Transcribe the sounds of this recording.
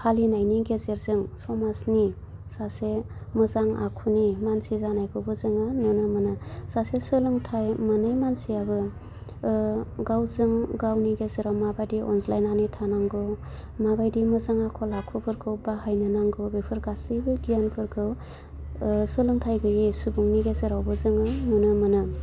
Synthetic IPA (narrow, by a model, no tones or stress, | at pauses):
hʰalinajniɡezeɾzɯŋsɔmasni | sasemɯzaŋa̰kʰunimansizanajkʰɯwbɯzɯŋɯnɔnɯmɯnɯsasesɯlɯŋtʰajmɯnajmansiabɯ | ɡawzɯŋɡawniɡezeɾawmabajdiʔɔnslajnanitʰanaŋɡɯw | mabajdimɯzaŋakʰɔlakʰupʰɯɾkʰɯwbahajnɯnaŋɡɯwbepʰɯɾɡasibɯɡijanpʰɯɾkʰɯw | sɯlɯŋtʰajɡɯjisubuŋniɡezeɾawbɯzɯŋɯnɔnɯmɯnɯ